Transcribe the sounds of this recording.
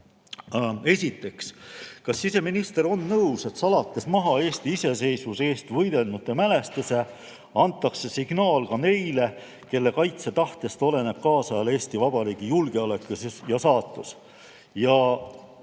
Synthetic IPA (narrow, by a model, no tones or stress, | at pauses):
e̞sʲit̪ːˑe̞kskɑsːise̞minist̪e̞ɾo̞nːɤuwse̞t̪sɑlɑt̪ːe̞smɑɦɑe̞ːst̪iise̞se̞jsvuse̞ːst̪vɤjd̪e̞lnut̪ːˑemæle̞st̪ese̞ | ɑnt̪ːˑɑkse̞siɡ̥nɑːlkɑne̞jle̞ | ke̞lːe̞kɑjt̪se̞t̪ɑht̪jɑst̪o̞le̞ne̞b̥̚kɑːsɑɑle̞ːst̪ivɑb̥ɑɾiːɡ̥ijulɡeɑle̞ksjɑsɑːt̪ːˑus | jɑ